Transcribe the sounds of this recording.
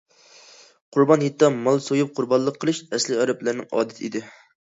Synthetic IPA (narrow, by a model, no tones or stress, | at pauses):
qʰʊɾbɑnhit̪ːɑmɑlˠsojup̚qʰʊɾbɑnlˠəqʰːəlˠɨʃɛslɪɑɾɨplæɾnɪ̰ŋɑ̰ːd̪ɛt̪ʰɪḭd̪ɪ